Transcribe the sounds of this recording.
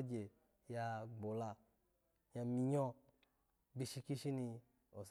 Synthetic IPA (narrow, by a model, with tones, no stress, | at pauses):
d͡ʒe˨ | ja˧ɡ͡bo˨la˧ | ja˧mi˧ɲɔ˧ | bi˧ʃi˧ki˦ʃi˦ni˧ | o˨s